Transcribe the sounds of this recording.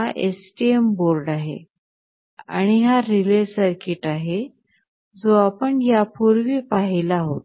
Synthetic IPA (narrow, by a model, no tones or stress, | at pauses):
ɦaʔesʈiemboɾɖaɦḛ | a̰ɽ̃iɦaɾilesəɾkiʈaɦe | d͡zoapəɳjapuɾʋiːpaɦilaɦot̪